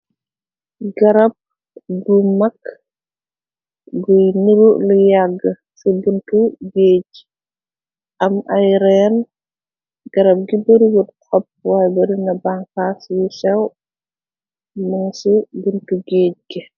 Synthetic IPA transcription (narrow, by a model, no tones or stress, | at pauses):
ɡɐɾɐp̚ | ɡumɐk | ɡujniɾulujaɡːə | sibuntuɡeːc | ɐmɐjɾɛn | ɡ̥ɐɾɐb̚ɡibɐɾiɡutkʰɔp̚wajbɐɾinɐbaŋkasjusɛw | mɐŋsibuntuɡeːc̚ɡɛ